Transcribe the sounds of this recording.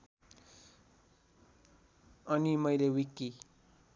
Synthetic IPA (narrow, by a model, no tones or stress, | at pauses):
ʌnimʌjlewikːi